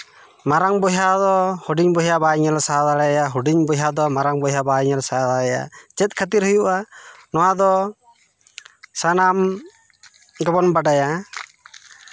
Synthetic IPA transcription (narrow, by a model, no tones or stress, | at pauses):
maɾaŋbɔɦjad̪ɔhuɖiɲbɔɦjabaiɲalsaɦad̪aɽɛjaɦuɖiɲbɔɦjad̪ɔmaɾaŋbɔɦjabaiɲalsaɦad̪aɭɛja̰t͡ʃɛt̪̚ˀkʰət̪iɾɦujuʔanɔwad̪ɔ | sanam | ɡɔbɔnbaɖaja